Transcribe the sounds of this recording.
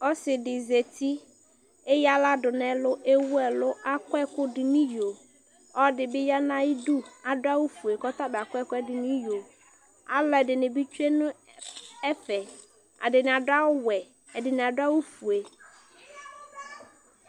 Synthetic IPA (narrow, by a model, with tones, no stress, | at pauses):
ɔ˦sɪ˨dɪ˨ze˨ti˦ | e˦ja˦la˦dʊ˨nɛ˨lʊ˦ʔe˦wu˦ɛ˨lʊ˦ʔa˦kʊ˦ɛ˦kʊ˦dɪ˨ni˦jo˨ | ɔ˦dɪ˨bɪ˦ja˦nã˦i˦du˦a˨dʊ˦a˦wu˦fu˨e˨kɔ˦ta˦bɪ˨a˨kʊ˦ɛ˦kʊ˦ɛ˦dɪ˨ni˦jo˨ | a̰˨lɔ˨˦ɛ˨dɪ˨nɪ˨bi˦t͡ʃe˦nʊ˦ | ɛ˦fɛ˨ | a̰˨dɪ˨nɪ˨a˨dʊ˦a˦wʊ˦wɛ˨ | ɛ˨dɪ˨nɪ˨a˨dʊ˦a˦wu˦fu˨e˨